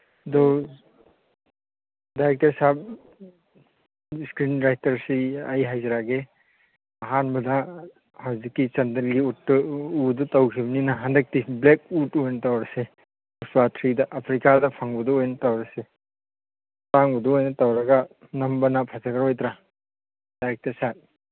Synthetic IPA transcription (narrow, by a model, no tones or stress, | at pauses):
dɔ | dajɾek̚teɾsab̚ | skɾinɾajtɐɾsiajɦajzɐɾaɡe | ɐɦanbɐda | hawzikːit͡ʃɐndɐlɡiutːɯudutawkʰibɐninaɦandɐk̚tiblek̚utɔjnɐtawɾɐse | uswatʰɾidɐʔɐpʰɾikadɐpʰaŋbɐduojnɐtawɾɐse | paŋbɐduojnɐtawɾɐɡa | nɐmbɐnapʰazaɡaɾojtɾa | d̥ajɾek̚tesap̚